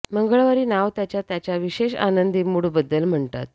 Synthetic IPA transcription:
məŋɡəɭʋaɾiːnaʋt̪jat͡ɕjat̪jat͡ɕjaʋiɕeɕa̰nənd̪iːmuɽubəd̪ːəlm̤əɳt̪a̰t̪̚

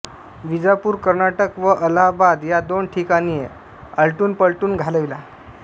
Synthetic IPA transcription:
ʋid͡zapuːɾkəɾnaʈəkʋəʔəlabad̪jad̪oɳʈʰikanie | əlʈuːnpəɭʈuːnɡʱaləʋila

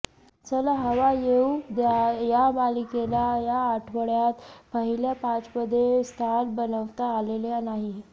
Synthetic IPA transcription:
t͡ɕəlaɦəʋajeud̪ajamalikelajaːʈʰʋəɭjat̪pəɦiljapat͡spəd̪ʱːest̪ʰalbənəʋt̪aːleljanaɦi

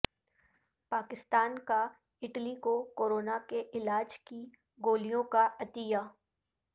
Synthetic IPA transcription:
paːkɪst̪aːnka | ɪʈlikokoːɾoːnakeʔɪlaːd͡ʒki | ɡoːlijõkaʔɐt̪ijaː

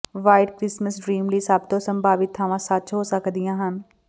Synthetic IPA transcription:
ʋaːɪɖkɾɪsməsɖɾiːmliːsaːbt̪osə̃mbʱaːʋit̪ʰːaːʋãːsat̪ːt͡ʃɦoːsəkʰd̪ijãːɦən̆

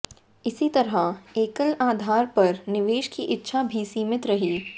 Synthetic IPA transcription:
ɪsit̪ɐɾəeːkəlaːd̪ʱaːɾpɐɾnɪʋeːʃkiʔɪtːʃʰabʱisiːmɪt̪ɾɐɦiː

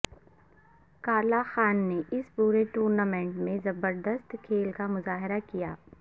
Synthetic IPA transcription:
kaːlaxaːnːeɪspuːɾeʈuːɾnaːmẽːɳʈmẽzɐbəɾd̪əst̪kʰeːlkamʊzaːɦɪɾakijaː

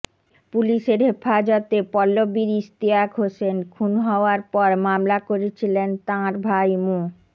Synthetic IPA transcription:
puliʃeɾɦefad͡ʑot̪epɔlːobiɾist̪iakɦoʃenkʰunɦɔoaɾpɔɾmamlakoɾet͡ɕʰilent̪ãɾbʱajmu

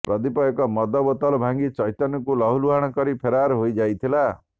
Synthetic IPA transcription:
pɾɔd̪ipɔekɔmɔd̪ɔbɔt̪ɔlɔbʱaŋɡit͡ʃɔjt̪ɔnɔkulɔɦuluɦaɽ̃ɔkɔɾipʰeɾaɾɦojd͡ʒajt̪ʰila

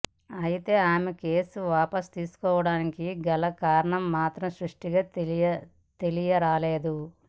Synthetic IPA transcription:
ɐjit̪e̞ːaːmeke̞ːsuʋaːpɐst̪iːsu̥kɔːʋɐɽaːnikiɡɐlɐkaːɾɐɳɐmːaːt̪ɾɐmsɾuʂʈiɡaː | t̪e̞lijɐɾaːle̞ːd̪u

